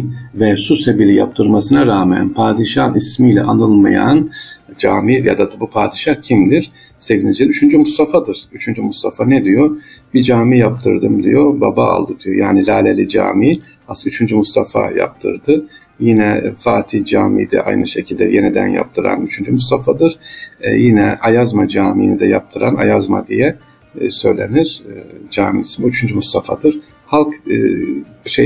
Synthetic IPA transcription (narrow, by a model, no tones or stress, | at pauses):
vɛsusebilʲija̰p̚t̪ʰɯɾmasɯnaɾaːmɛ̰npʰaːd̪iʃanismiːlʲɛ̰ʔanɯlˠmaja̰nd͡ʒaːmija̰d̪ad̪bupʰaːd̪iʃahcʰimd̪iɾ̥ | se̞vinid͡ʒiyt͡ʃʰynd͡ʒymust̪ʰafad̪ɯɾ̥yt͡ʃʰynd͡ʒymust̪ʰafanɛd̪ijob̥id͡ʒaːmijap̚t̪ʰɯ̰ɾd̪ɯmd̪ḭjoba̰ba̰ːlˠd̪ɯd̪ijo̞jaːnilʲaːlʲelʲid͡ʒa̰ːmi | asyt͡ʃʰynd͡ʒymust̪ʰafa̰ja̰p̚t̪ʰɯ̰ɾd̪ɯ | jinɛfaːt̪ʰid͡ʒaːmḭːd̪ɛ̰ʔa̰jnɯʃe̞cʰilʲd̪ɛ̰jenid̪æ̰nja̰p̚t̪ʰɯɾa̰nyt͡ʃʰynd͡ʒymust̪ʰafad̪ɯɾ̥jinɛajazmad͡ʒaːmḭːnid̪ɛjap̚t̪ʰɯɾana̰jazma̰d̪ijɛ | sø̞̰jlʲe̞̰niɾ̥d͡ʒaːmisimyt͡ʃʰynd͡ʒymust̪ʰafad̪ɯɾ̥ | halˠkː | ʃe